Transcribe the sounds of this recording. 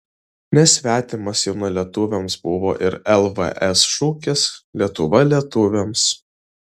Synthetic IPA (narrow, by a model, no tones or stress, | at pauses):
nʲɛsʲʋʲæːt̪ʲɪmɐsjɛʊnɐlʲiɛt̪ʊʋʲɛmsbʊʋoːʔɪɾɛlˠʋə̰ʔɛsʃuːkʲɪslʲiɛt̪ʊʋɐlʲiɛt̪ʊʋʲems